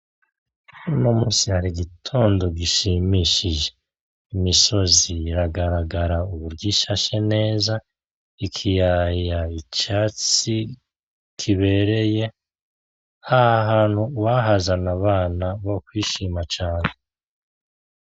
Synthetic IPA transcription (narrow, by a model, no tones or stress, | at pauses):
uno̞muːsihaɾiɡitʰo̞ːndo̞ɡiʃimiʃiʒe̞ | imiso̞ziːɾaɡaɾaɡaɾauβuɾɡiʃaʃene̞ːza | ikʰijajait͡ʃaːt͡si | kʰiβe̞ɾe̞je̞ | ahaɦaːnhuwaɦazanaβaːnaβokwiːʃimat͡ʃaːne